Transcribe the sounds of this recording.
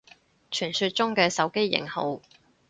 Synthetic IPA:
t͡ʃʰyː˨˩nsyː˧t̚t͡ʃʊ˥ŋkɛː˧sɐ˨˧wke˥jːɪ̰˨˩ŋho˨˧w

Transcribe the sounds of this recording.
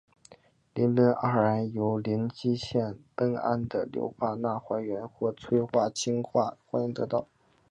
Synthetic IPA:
li˧˥nlə˧˥nʔa˥˩˨a˧˥njo˧˥ʊli˧˥nt͡ɕi˥ɕjɛ˥˩nt̪ɤ˥ŋa̰˥˩nd̪ə̰˨ljo̰˧˥ʊxwa˥˧na˥˩xwa˧˥ɪɥɛ˧˥nxwɔ˥˩t͡sʰwe˥ɪxwa˥˩t͡ɕʰi˥ŋxwa˥˩xwa˧˥˧ŋt̪ɤ˧˥t̪ɑ˥˩ʊ

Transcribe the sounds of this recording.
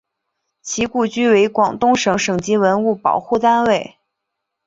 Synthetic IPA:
t͡ɕʰi˧˥ku˥˩t͡ɕy˥we˧˥ɪkwɑ˨˩ŋt̪ʊ˥ŋʂɤ˧˥ŋʂɤ˨˩ŋt͡ɕi˧˥wə˧˥nu˥˩pɑ̰˨˩ʊxu˥˩t̪a˥nwe˥˩ɪ

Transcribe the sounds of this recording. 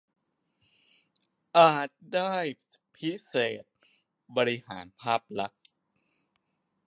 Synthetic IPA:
ʔaː˨˩t̪̚daː˥˩j | pʰi˦˥seː˨˩t̪̚ | bɔː˧ɾi˦˥haː˩˦npʰaː˥˩p̚la˦˥k̚

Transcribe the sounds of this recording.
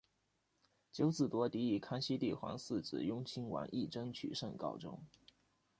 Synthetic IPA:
t͡ɕjo˧˥ʊt͡sɹ̩˨˩t̪wɔ˧˥t̪i˧˥i˨˩kʰa˥nɕi˥t̪i˥˩xwɑ̰˧˥ŋsɹ̩˥˩t͡sɹ̩˨˩jʊ˥ŋt͡ɕʰi˥ŋwa̰˧˥nʔi˥˩ʈ͡ʂɤ˥ŋt͡ɕʰy̰˨˩ʂə˥˩ŋkɑ̰˥˩ʊʈ͡ʂʊ̰˥ŋ

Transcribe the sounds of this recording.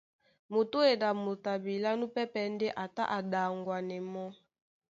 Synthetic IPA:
mo˨to˦e˨da˨mo˨ta˨bi˨la˦nu˦pɛ˦pɛ˨n˦de˦ʔa˨ta̰˦ʔa˨da˨ŋɡwa˨nɛ˨mɔ˦

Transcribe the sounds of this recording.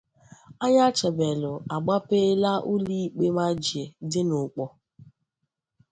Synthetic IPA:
a˦ɲa˦t͡ʃe˨be˨lʊ˨a˨ɡ͡ba˦pe˦la˦ʔu˦li˦˨k͡pe˦ma˦d͡ʒi˨e˨dɪ˦nʊ˨k͡pɔ˨

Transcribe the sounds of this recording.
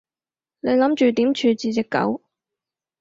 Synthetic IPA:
ne˨˧jlɐ˨˥mt͡ʃyː˨t̪iː˨˥mt͡ʃʰyː˨˧t͡siː˨˧t͡sɪ˨kːɐ̰˨˥w

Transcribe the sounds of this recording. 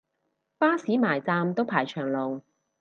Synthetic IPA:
paː˥siː˨˥maː˨˩jt͡saː˧mt̪o˥wpʰaː˨˩jt͡ʃʰœː˨˩ŋlo˨w

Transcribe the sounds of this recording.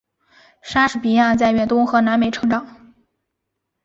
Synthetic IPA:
ʂa˥ʂɻ̩˨˩pi˧˥ja˥˧t͡sa˥˩ɪɥɛ˥˩nt̪ʊ˥ŋxɤ˧˥na˧˥nme˨˩ɪʈ͡ʂʰɤ˧˥ŋʈ͡ʂɑ˨˩˦ŋ

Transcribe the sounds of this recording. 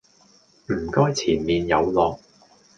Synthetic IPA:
m̩˨˩kɔː˥jt͡sʰiː˨˩nmiː˨njɐ˨˧wlɔː˨k̚

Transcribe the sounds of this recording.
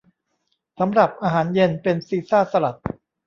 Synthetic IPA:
sa˩˦mɾa˨˩p̚ʔaː˧ɦaː˩˦nje˧npe˧nsiː˧saː˥˩sa˧ɾa˨˩t̪̚

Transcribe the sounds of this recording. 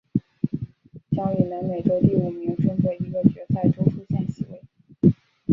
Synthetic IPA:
ɕjɑ˧˥ŋy˨˩nə˧˥nme˨˩ɪʈ͡ʂo˥ʊt̪i˥˩u˨˩mi˧˥ŋʈ͡ʂə˥nt̪we˥˩ɪi˧˥ɡə˥˩t͡ɕɥɛ˧˥t͡sa˥˩ɪʈ͡ʂo˥ʊʈ͡ʂʰu˥ɕjɛ˥˩nɕi˧˥ḭ˥˩

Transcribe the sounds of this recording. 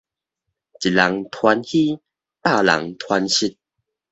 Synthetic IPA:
t͡ɕi˨˩la˨˦ŋt̪ʰwa˧nhi˦ | t̪a˥˨la̰˨˦ŋt̪ʰwa˧nɕi˦t̚

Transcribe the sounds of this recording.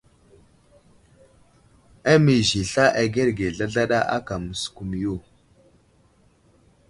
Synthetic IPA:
a˦mi˨zi˨ɬa˦ʔa˨ɡe˦ɾɡe˨ɮa˦ɮa˦ɗa˦ʔa̰˦ka˨mə˨sku˨m˨jo˦˨

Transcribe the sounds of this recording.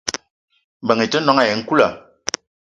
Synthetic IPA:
bə˨ŋi˨tə˦nɔ˦ŋa˦˨je˨ŋ̩˦ku˦la˨

